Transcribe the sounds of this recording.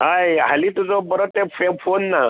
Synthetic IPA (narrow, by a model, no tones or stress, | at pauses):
ɦajɦalit̪ut͡sɔbəɾɔt̪efʰefonːa